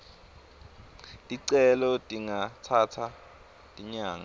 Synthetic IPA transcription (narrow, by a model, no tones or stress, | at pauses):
dʼiǀɛlɔtʼiŋatʰatʰa | tʼiɲaːŋa